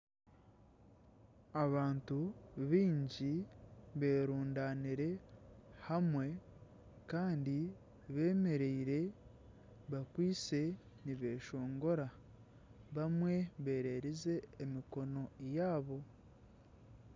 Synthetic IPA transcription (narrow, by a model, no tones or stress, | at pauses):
aβaːntuβiːɲɟiβeːɾuːndaːniɾe̞hamwe̞ | kaːndi | βe̞ːme̞ɾeiɾe̞ | βakwiːse̞ | niβeːʃo̞ːŋɡo̞ɾa | βamwe̞βe̞ːɾe̞ːɾize̞ːmiko̞no̞ejaːβo̞